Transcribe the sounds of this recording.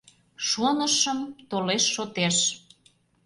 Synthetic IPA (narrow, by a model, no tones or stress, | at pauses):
ʃonəʃəmt̪oleʃːot̪eʃ